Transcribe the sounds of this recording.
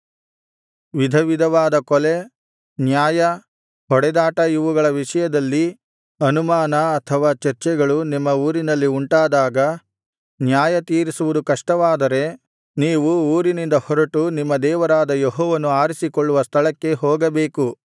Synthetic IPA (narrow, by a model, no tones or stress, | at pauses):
ʋid̪ʱɐʋid̪ʱɐʋaːd̪ɐkɔle̞ | njaːjɐ | ɦɔɽɛd̪aːʈɐjiʋuɡɐɭɐʋiʂɐjɐd̪ɐlːi | ɐnumaːnɐːt̪ʰɐʋaːt͡ʃɐɾt͡ʃɛɡɐɭunimːɐuːɾinɐlːiuɳʈaːd̪aːɡɐ | njaːjɐt̪iːɾisuʋud̪ukɐʂʈɐʋaːd̪ɐɾe̞ | niːʋuuːɾinind̪ɐhɔɾɐʈunimːɐd̪ɛːʋɐɾaːd̪ɐjeɦɔːʋɐnuaːɾisikɔɭːuʋɐst̪ʰɐɭɐkːe̞ɦɔːɡɐbeːku